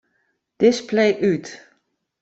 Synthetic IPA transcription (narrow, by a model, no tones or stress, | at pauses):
d̥ɪsplejʔyt